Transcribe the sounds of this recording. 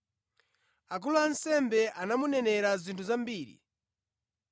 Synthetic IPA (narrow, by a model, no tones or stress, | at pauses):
ak̬uluansɛmbɛʔanamunɛnɛɾazintʰuzambiːɾḭ